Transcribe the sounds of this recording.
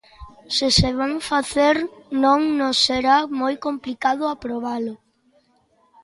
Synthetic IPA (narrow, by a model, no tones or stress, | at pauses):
sɪseβaŋfaθeɾnõŋnosːeɾamojkomplikaðʊapɾoβalʊ